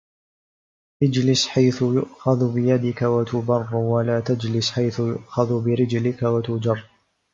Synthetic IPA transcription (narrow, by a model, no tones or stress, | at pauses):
ʔad͡ʒlɪsħajθʊjʊʔxaðbɪjad̪ɪkawat̪ʊbɑrˤːwalaːt̪ad͡ʒlɪsħajθʊjʊ̰ʔxaðbɪɾɪd͡ʒlɪkawat̪ʊd͡ʒɑrˤː